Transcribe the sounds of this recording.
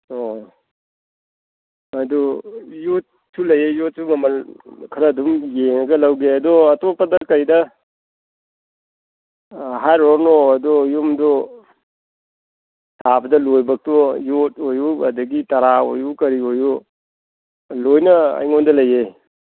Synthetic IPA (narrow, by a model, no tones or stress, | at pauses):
o | ɐdujut̚ | sulɐjejot̚suŋɐmɐnkʰɐɾɐdumjeŋɐɡɐlɐwɡeɐdɔɐtopːɐdɐkɐjdɐ | ɦajɾoɾnoɐdɔjumdo | tʰabɐdɐlojbɐk̚tɔjot̚ojuɐdɐɡitɐɾao̰jukɐɾioju | lojnɐɐ̰jŋondɐlɐje